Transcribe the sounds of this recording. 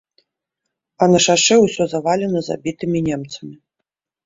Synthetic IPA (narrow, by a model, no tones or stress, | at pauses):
ɐnɐʂaʂɛwsʲɔzavalʲɛnɐza̰bʲit̪ɨmʲinʲɛmt̪sɐmʲi